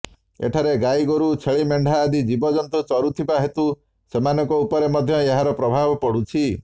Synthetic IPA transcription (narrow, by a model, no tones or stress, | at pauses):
ḛʈʰaɾeɡajɡoɾut͡ʃʰeɭimeɳɖʱaːd̪id͡ʒibɔd͡ʒɔnt̪ut͡ʃɔɾut̪ʰibaɦet̪u | semanɔŋkɔupɔɾemɔd̪ʱjɔeɦaɾɔpɾɔbʱabɔpɔɽ̤ut͡ʃʰi